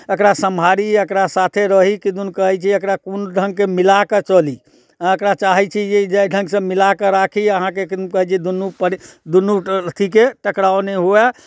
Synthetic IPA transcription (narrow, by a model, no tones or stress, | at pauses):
əkɾasəmbʱaɾiəkɾasat̪ʰeɾəɦikid̪unkəɦɛt͡ʃʰiəkɾakunɖʱəŋɡkemilaket͡ʃəli | ãəkɾat͡ʃaɦɛt͡ʃʰijed͡ʒəjɖʱə̃ŋɡsə̃milakeɾakʰiəɦãkek̪kəɦɛt͡ʃʰid̪unːupəd̪unːut̪ʰikeʈəkɾawneɦoɛ